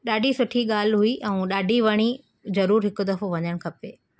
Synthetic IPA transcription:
ɗaːɖʱisʊʈʰiɠaːlɦuiʔɛ̃ũɗaːɖʱiʋɐɽ̃i | zɐɾuːɾɦɪkʊ̆d̪ɐfoʋɐɲəɽ̃kʰɐpeː

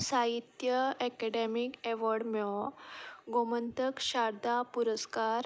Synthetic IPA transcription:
saɦit̪jəɛkɛɖemikɛʋɔɖmjɔ | ɡomənt̪əkɕaɾd̪apuɾəskaɾ

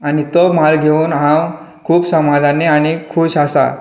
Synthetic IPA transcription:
añit̪omalɡʱeuːnɦãw | kʰuːpsəmad͡zʱaneaɽ̃ikʰuːɕasa̰

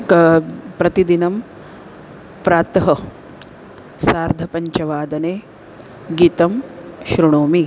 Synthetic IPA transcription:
kpɾɐt̪id̪inɐm | pɾaːt̪ɐɦɐ | saːɾd̪ʱɐpɐɲt͡ʃɐʋaːd̪ɐneː | ɡiːt̪ɐmʃɾuɳoːmi

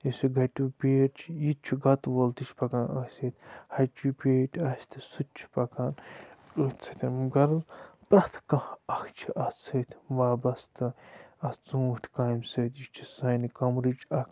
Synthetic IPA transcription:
isʲuɡɐʈʲupʲeːɾt͡ʃʰjit͡ʃʰuɡɐt̪ʋolt̪it͡ʃʰpɐkanɐ̰sʲet̪ʰʲhɐt͡ʃupʲeːʈʰʲɐsʲt̪ʰɨsut̪̚t͡ʃʰu̥pɐkaːnɨt͡sʰɨt̪ʰʲimɡɐɾzpɾɐht̪ʰkɐ̃hɐkʰt͡ʃʰiʔɐt͡sʰɐt̪ʲʰʋaːbɐst̪ɨɐst͡sũːʈʰʲkajmsɐt̪ʰjit͡ʃʰi̥sɐːnikɐmɾit͡ʃʰɐk

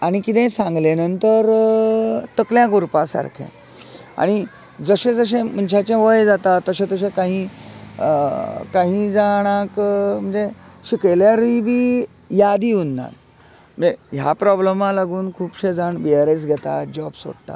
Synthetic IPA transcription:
aɽ̃ikit̪ɛ̃sãŋɡlenənt̪əɾ | t̪əkljãɡuɾpasa̰ɾkʰḛ̃ | a̰ɽ̃i | d͡zəɕẽd͡zəɕ̬ẽm̤əɳɕat͡ɕẽʋəjd͡zat̪at̪ːəɕẽt̪əɕ̬ẽkaɦĩ | kaɦĩd͡zaɽ̃ãkm̤əɳd͡zeɕikəljaɾəibiː | jad̪iːunːa̰t | meɦja̰pɾɔbləmalaɡuːnkʰuːpɕed͡zaɳbiaɾes̬ɡʱɛt̪a̰d͡ʑɔbso̰ɽt̪a̰

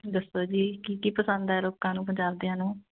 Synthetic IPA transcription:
d̪əsoːd͡ʒiːkiːkiːpəsə̃nd̪ɛːloːkãːnũːp̬əɲd͡ʒaːbd̪eãːnũː

